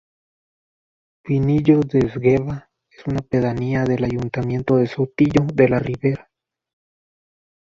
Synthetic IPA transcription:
winiʎoðesɡeβa | esunapeðaniaðelajunt̪amje̞nt̪oðesot̪iʝoðelariβeɾa

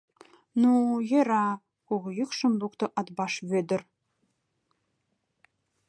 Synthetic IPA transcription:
nujĕɾɑ | kuɣjykʃɤ̆mlˠukt̪ɤ̆ʔɑt̪bɑʃβød̪ɘ̆r

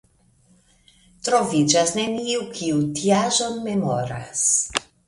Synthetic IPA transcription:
tɾo̞vid͡ʒasne̞niukʰiutiaʒo̞nme̞mo̰ɾa̰s

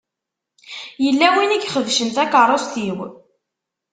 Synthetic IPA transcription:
jəlːæwiniɡχəðʃənt̪ækərˤost̪iw

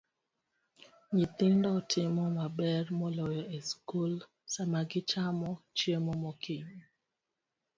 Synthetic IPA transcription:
ɲɪt̪ɪndɔtʰɪmɔmabɛɾmɔlɔjɔeskul | samaɡɪt͡ʃamɔt͡ʃjemɔmɔkʰɪɲ

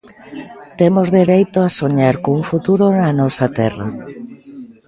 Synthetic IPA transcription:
t̪emozðeɾejt̪oasoɲaɾkouŋfut̪uɾonanɔsat̪ɛra̰

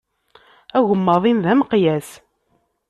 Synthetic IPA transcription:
æɣəmːəðˤinðæməqjæs

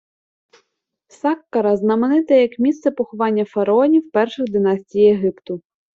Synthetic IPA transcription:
sɑkːɐɾɐznɐmenɪt̪ɛjɐkmʲist̪sɛpɔxʊʋɑnʲːɐfɐɾɐɔnʲiwpɛrʃɪɣd̪ɪnɑsʲtʲijeɦɪpt̪ʊ

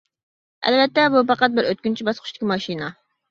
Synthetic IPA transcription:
ɛ̰lvɛt̪ːɛbupɑqɑt̪̚bɪɾøt̪̚kʲynt͡ʃʰibɑsqʰʊ̥ʃt̪ɪkʲimɑʃinɑ

